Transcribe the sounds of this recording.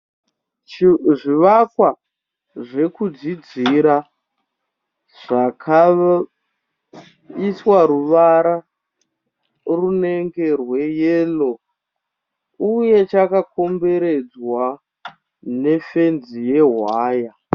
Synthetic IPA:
ʐiʋakwa | ʐe̞kud͡zid͡ziɾa | ʐ̥akʰa | iswaɾuʋaɾa | rune̞ŋɡe̞rwe̞jeːlo | uje̞t͡ʃakako̞mbe̞ɾe̞d͡zwa | ne̞fe̞nzije̞ɦwaːja

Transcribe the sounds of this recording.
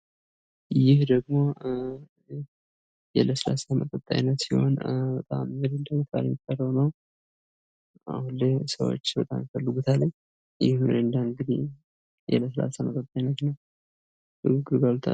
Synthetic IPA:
jɪhd̪əɡmo̞ | jɛ̰ləsəla̰samət̪ʼət̪ʼːa̰jnət̪siho̞̰nbət̪ʼamːɨɾɨnd̪amit̪ʰa̰ləmit̪ʼːərːəwnəw | a̰hulːesəwo̰t͡ʃːbət̪ʼa̰mjfəlːɨɡut̪ʰaləɲ | jɪhmɨ̰ɾɨnd̪aɨŋɡɨd̪ḭ | jɛ̰ləsla̰samət̪ʼət̪ʼːajnːət̪nəw | ɨɡɨɡɨɾɡalut̪ʰa̰

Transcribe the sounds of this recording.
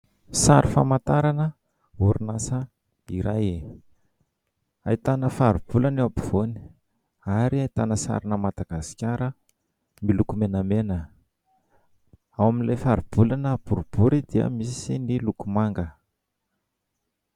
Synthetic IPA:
saɾifa̰mat̪aɾanə | uɾinasə | iɾaj | ait̪anəfaɾib̥ulanapi̥v̥oni̥ | aɾiait̪anəsa̰ɾinəmad̪aɡ̥asi̥kʲaɾə | milukumenamenə | awaminlefaɾib̥ulanəb̥uɾub̥uɾid̪iə̰misinilukumaŋɡə

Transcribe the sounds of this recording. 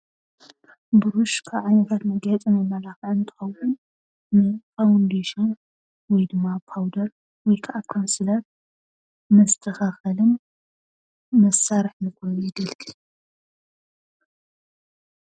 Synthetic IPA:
bɨɾuʃkʰaβʕajnɐt̪ʰat̪nɐɡɐt͡s̪ʼɨmɐmɐlaxɨʕɨnt̪ʰɨ̥xɐwʕun | nɨfawnd̪eʃɐn | wɔjd̪ɨmːapʰawd̪ɐl | wɔjkʰaʔakʰansɨlat̪̚ | mɐst̪ʰɐxaxɐlɨn | mɐsaɾɨħnɨkoɪɡɐlkʰʼɨ

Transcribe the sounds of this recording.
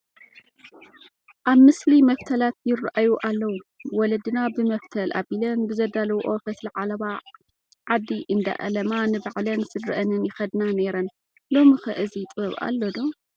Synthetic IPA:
ʔaβmɨslimɐft̪ʰɐlat̪jɪrːʔajuʔalːɐwuwɔlɐd̪ɨnabɨmɐft̪ʰɐlʔa̰bilɐnbɨzɐd̪alɐwʔofɐt̪lɨʕalɐβa | ʕad̪ːiʔɨnd̪a̰ʔɐ̰lɐmanɨbaʕlɐnsɨdɨʔɐnɨnjɪxɐd̪nane̞ɾɐn | lo̞mixɐʔɨzit̪ʼɐβa̰lːod̪o̞

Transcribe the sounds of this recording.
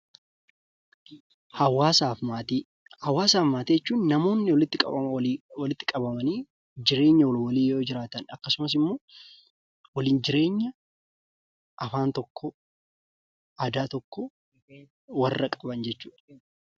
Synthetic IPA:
hɐwaːsaːfmat̪i | hɐwaːsaːfmaːt̪iːd͡ʒɛt͡ʃːuːnːɐmo̞ːnːɪwɔlɪt̪ːɪkʼɐ̰ɐwɐlɪt̪ːɪkʼɐbɐmɐniː | d͡ʒɪɾe̞ːɲːɐwwɐliːjo̞ːd͡ʒɪɾaːt̪ɐnɐkːɐsʊmɐs̬ɪmːo̞ː | wɐliːnd͡ʒɪɾe̞ːɲːɐ | ʔɐfaːnt̪ɔkːɔ | ʔɐd̪aːt̪ɔkːɔ | wɐrːɐkʼɐbɐnd͡ʒɛt͡ʃːuːᶑɐ̥

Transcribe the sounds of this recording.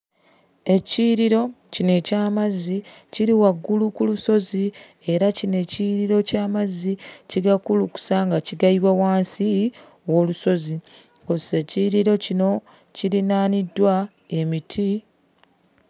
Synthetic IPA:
e̞ciɾiɾo̞ | cine̞caːmazːi | ciɾiwaɡːulukuluso̞zi | e̞ɾacine̞ciɾiɾo̞caːmazːiciɡakuluku̥saŋɡaciɡaiβwawaːnsi | wo̞ːluso̞zi | kose̞ciɾiɾo̞cino̞ | ciɾinaːnidːwa | e̞mitʰi

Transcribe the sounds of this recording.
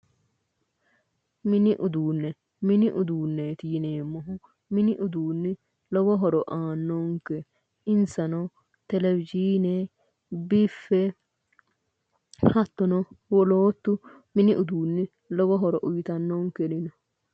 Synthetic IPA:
mɪnɪʔʊd̪uːnːɛ | mɪnɪʔʊd̪uːnːeːt̪ijɪneːmːɔɦʊ | mɪnɪʔʊd̪uːnːɪ | lɔɡɔɦɔɾɔʔaːnːɔŋkɛ | ɪnsɐnɔ | t̪ɛlɛvɪd͡ʒiːne | bɪfːɛ | hɐt̪ːɔnɔwɔloːt̪ːʊ | mɪnɪʔʊd̪uːnːɪ | lɔɡɔɦɔɾɔʔʊjɪt̪ɐnːɔŋkɛnɪnɔ

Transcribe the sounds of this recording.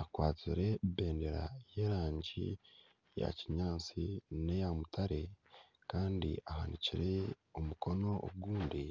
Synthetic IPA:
akwaːt͡siɾe̞be̞ːnde̞ɾaje̞ːɾaːɲɟḭ | ja̰ciɲaːnt͡sinejamutaɾe̞ | kaːndḭʔaha̰niciɾe̞omuko̞no̞o̰ɡɡuːndi

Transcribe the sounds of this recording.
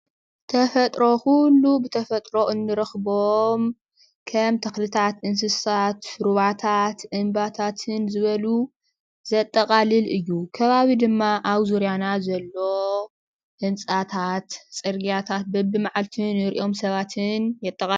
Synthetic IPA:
t̪ʰɐfɐt̪ʼɾo̞xulːubɨt̪ʰɐfɐt̪ʼɾo̞ʔɨnːɨɾɨxbom | kʰɐmt̪ʰɐxlɨt̪ʰat̪ʔɨns̬ɨsat̪ɾuβat̪ʰat̪ʔɨmbat̪ʰat̪ʰɨnzɨβɐlu | zɐt̪ʼːɐkʼalɨlʔɨjːukʰɐβaβid̪ɨmːaʔaβzuɾjanazɐlːo̞ | hɨnt͡sʼat̪ʰat̪t͡sʼɨɾɡjat̪ʰat̪̚bɐbːɨmaʕalt̪ʰinɪɾʔo̞msɐβat̪ʰɨnjɛt̪ʼːɐkʼa

